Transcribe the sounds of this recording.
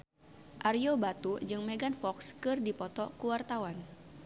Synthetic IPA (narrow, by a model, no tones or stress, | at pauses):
ʔariobat̪ud͡ʒɨŋmeɡanfɔkskɨrdipɔt̪ɔkuwart̪awan